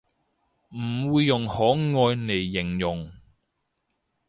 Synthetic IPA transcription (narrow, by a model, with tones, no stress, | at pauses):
m̩˨˩wuː˨˧jːʊ˨˩ŋhɔː˨˥ŋɔː˧jne˨˩jːɪ˨˩ŋjʊ˨˩ŋ